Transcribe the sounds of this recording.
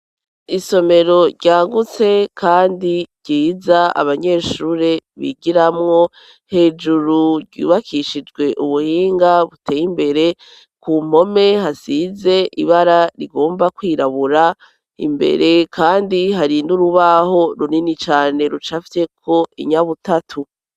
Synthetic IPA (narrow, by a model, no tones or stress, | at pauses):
iso̞me̞ɾo̞ɾɟaːŋɡut͡se̞kʰaːndiɾɟ̥iːzaa̰βaɲe̞ːʃuɾe̞βḭɡiɾamŋo̞ | he̞ːd͡ʒuɾuɾɟṵːβakʰiʃid͡ʒɡwe̞ʔuβuhiːŋɡaβutʰe̞ːjimbe̞ɾe̞ | kuːm̥o̞me̞hasize̞ʔiβaɾaɾiɡo̞ːmbakwiːɾaβuɾa | ḭmbe̞̰ɾe̞kʰaːndiɦaɾinuɾuβaho̞ɾuninit͡ʃaːne̞ɾut͡ʃafi̥te̞kʰo̞ḭɲaβutatʰu